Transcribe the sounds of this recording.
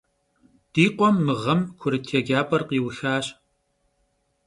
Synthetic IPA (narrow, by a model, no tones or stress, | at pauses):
d̥iːqʷɔmːɨʁɐmkʷʰʊɾɨtʰɛɡaːpʼɐrqiːwxaːɕ